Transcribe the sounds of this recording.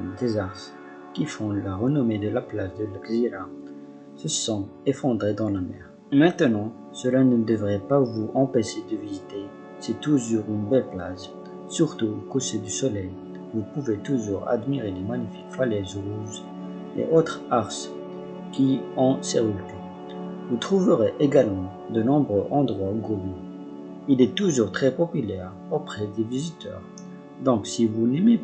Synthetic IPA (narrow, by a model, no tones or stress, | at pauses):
d̪ezaʁs | kʲifɔ̃laʁənɔmed̪əlaplasd̪əlɛkziɾa | səsɔ̃efɑ̃d̪ʁed̪ɑ̃lamɛ̰ːʁ | mɛ̃t̪ənɑ̃ | səlanəd̪əvʁɛpavuɑ̃peʃed̪əvizit̪e | sɛt̪uʒuʁynbɛlplaz | syʁt̪uokoʃed̪ysɔlɛj | vupuvet̪uʒuʁa̰d̪miʁelemaɲifikfalɛzoz | ḛʔot̪χaʁs | kʲiɔ̃sɛʁyky | vut̪χuvəʁeʔeɡalmɑ̃ | d̪ənɔ̃bʁøʔɑ̃d̪ʁwaɡoby | ilɛt̪uʒuʁt̪χɛpɔpylɛʁ | opχɛd̪evizit̪œ̰ːʁ | d̪ɔ̃ksivunɛme